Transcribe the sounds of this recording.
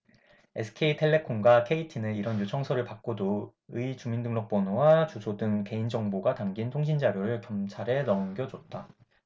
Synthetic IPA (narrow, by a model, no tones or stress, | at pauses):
e̞sʰɯ̥kʰeitʰe̞ɭːe̞kʰonɡwakʰe̞itʰinɯiɾʌnjot͡ɕʰʌŋsʰʌɾɯɭpak̚k͈odo | ɯit͡ɕumindɯŋnʌk̚p͈ʌnowat͡ɕusʰodɯŋke̞ind͡ʑʌŋboɡatamɡintʰoŋɕ̬ʰind͡ʑaɾjoɾɯɭkjʌmt͡ɕʰaɾe̞nʌŋɡjʌd͡ʑʌt̚t͈a